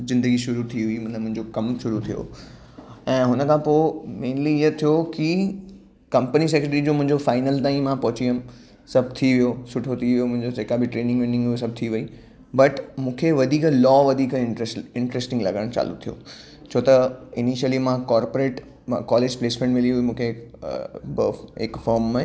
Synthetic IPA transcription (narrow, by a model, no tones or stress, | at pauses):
zɪ̃nd̪əɡiʃʊɾut̪ʰiɦʊimɐəmʊ̃ɦɪ̃ɲd͡ʑokɐmʃʊɾut̪ʰijo̰ | ɛ̃ːɦʊnəkʰãpoːɪmeːnliɪɦət̪ʰijoki | kɐ̃mpənis̬ɛkɾeʈɾid͡ʑoːmʊ̃ɦɪ̃ɲd͡ʑofaːɪnəlt̪ãːĩmãpɐɦʊt͡ɕiəm | sɐbʱt̪ʰiʋijosʊʈʰot̪ʰiʋijomʊ̃ɦɪ̃ɲd͡ʑoseːkabɪʈɾeːnɪ̃ŋɡʋeːnɪ̃ŋɡɦujos̬ɐb̚ʱt̪ʰiʋɐi | bɐʈmũːkʰeʋɐd̪ʱiːklɔːʋɐd̪ʱiːkɪ̃ɾesʈɪ̃ɳʈɾeːsʈɪ̃ŋɡlɐ̰ɡəəɽ̃t͡ɕa̰ːlṵt̪ʰijo̰ | t͡ɕʰoːt̪ɐɪniʃəlimãkɔːɾpoɾeːʈ | kɔːleːd͡ʑpleːsmẽɳʈmɪliɦuimũːkʰe | bə̰ekfɔːɾma